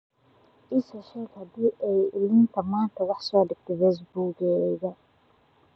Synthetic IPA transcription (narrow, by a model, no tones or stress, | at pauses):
ʔiːsɔʃɛːɡhɐd̪iːʔɛjɪlɪnt̪ʰɐmaːnt̪ʰɐwɑħsɔːɖɪɡ̚t̪ʰɔbɛs̬buːɡɛðɐ